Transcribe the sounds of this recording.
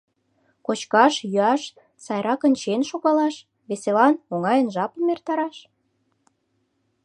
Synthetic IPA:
kot͡ɕkɑʃjyɑʃ | sɑjɾɑkənʲt͡ɕenʃoɣɑlɑʃ | βeselɑnoŋɑjənʒɑplmert̪ɑɾɑʃ

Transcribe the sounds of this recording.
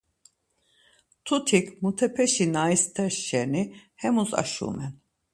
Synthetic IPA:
t̪ʰut̪ʰikʰmut̪ʰɛpʰɛʃinaist̪ʰɛɾʃɛnihɛmusa̰ʃṵːmɛn

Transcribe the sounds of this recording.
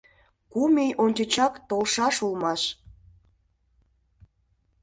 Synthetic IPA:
kumejonʲt͡ɕet͡ɕɑkt̪olʃɑʃulmɑʃ

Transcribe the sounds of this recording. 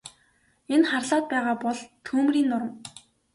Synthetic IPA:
enχarɮaːt̪̚pæːʁaːpɔɮt̪ʰuːmriːnːʊɾə̆m

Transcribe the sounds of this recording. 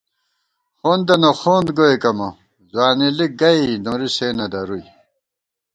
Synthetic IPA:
xoːnd̪ɐnoxoːnd̪ɡoekɐmo | zwaːniliɡɐinoɾiseːnɐd̪ɐɾuj

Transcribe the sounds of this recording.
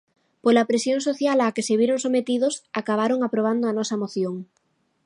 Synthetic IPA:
polapɾesjoŋsoθjalakeseβjeɾoŋsomet̪iðosakaβ̞aɾoŋapɾoβ̞and̪ʊɐnɔsɐmoθjoŋ

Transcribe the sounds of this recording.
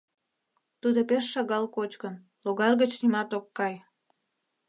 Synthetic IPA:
t̪ud̪opeʃːɑɣɑlkot͡ɕkən | loɣɑlɣət͡ɕnimɑt̪okːɑj

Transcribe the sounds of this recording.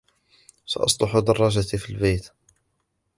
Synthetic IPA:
sa̰ʔɑ̰sˤlˤɑħud̪ɑrˤːɑʒat̪ifilbejt̪

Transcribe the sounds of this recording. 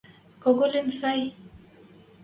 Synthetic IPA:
koɣolensaj

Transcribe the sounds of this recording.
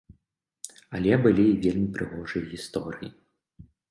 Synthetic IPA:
ɐlʲɛbɨlʲiːvʲelʲmʲipɾɨɣɔʐɨjɐɣʲist̪ɔɾɨjḭ

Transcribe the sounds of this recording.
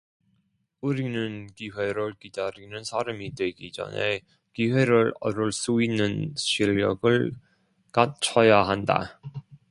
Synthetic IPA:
uɾinɯnkiwe̞ɾɯɭkidaɾinɯnsʰaɾamidwe̞ɡid͡ʑʌ̰ne̞̰ | kiwe̞ɾɯɾʌɾɯɭs͈uinːɯnɕʰiʎːʌɡɯɭ | kat͡ɕʰʌjaɦanda̰

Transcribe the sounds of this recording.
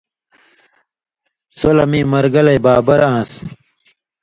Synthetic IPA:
solɐmiːmɐɾɡɐlɐjbaːbɐɾãːs

